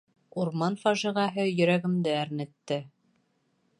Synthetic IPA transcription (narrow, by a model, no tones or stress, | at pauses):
uɾmɑnfɑʒĭʁɑɦɤjɵ̆ɾæɡɘ̆md̪ɘæɾnɘ̆t̪ːɘ